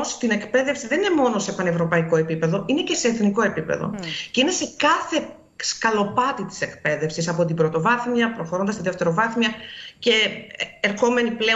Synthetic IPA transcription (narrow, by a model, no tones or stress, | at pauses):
st̪ine̞kpe̞ðefsiðe̞nine̞mo̞no̞sepɐne̞vɾo̞pɐiko̞e̞pipeðo̞ʔine̞ce̞se̞ːθniko̞e̞pipe̞̰ðo̞̰ce̞ine̞se̞kɐθe̞ | skɐlo̞pɐt̪it̪i̥se̞kpe̞ðe̞fsisɐpo̞t̪ibɾo̞t̪o̞vɐθmiɐpɾo̞xo̞ɾo̞nd̪ɐst̪iðeft̪e̞ɾo̞vɐθmiɐce̞ːɾxo̞me̞niple